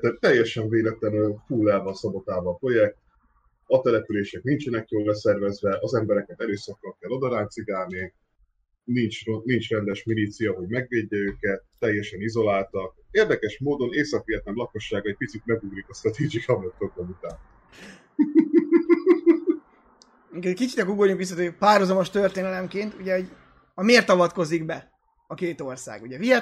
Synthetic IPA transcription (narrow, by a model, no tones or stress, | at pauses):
t̪ːɛt̪ɛjːɛʃɛɱveːlɛt̪lɛnølfuːlɛlvɒnsɒbot̪aːvɒpɾo̞jɛk̚t̪ | ɒt̪ɛlɛpyleːʃɛk̚nint͡ʃɛnɛkjoːlːɛsɛrvɛzvɛʔɒzɛmbɛɾɛkɛt̪ɛløːsɒkːɒlkɛlːo̞d̪ɒɾaːnt̪siɡaːlni | nint͡ʃronint͡ʃrɛnd̪ɛʃmilit̪sijɒɦo̞ɟmɛɡveːɟːɛøːkɛt̪ːɛjːɛʃɛnizo̞laːlt̪ɒk̚eːrd̪ɛkɛʃmoːd̪o̞neːsɒkʋiɛt̪nɛmlɒko̞ʃːaːɡɒɛc̚pit̪sit̪̚mɛɡuɡɾikɒst̪ɾɒt̪ed͡ʒikʰɒmot̪oɡonut̪aːn | miŋkɛckit͡ʃit̪ɒɡuɡoɾɲukʋis̬ːɒt̪øpaːrhozɒmoʃt̪ørt̪eːnɛlɛmkeːnt̪uɟɛoɟ | ɒmeːrt̪ɒvɒt̪ko̞ziɡbɛ | ɒkeːt̪o̞rsa̰ːɡuɟɛvijɛ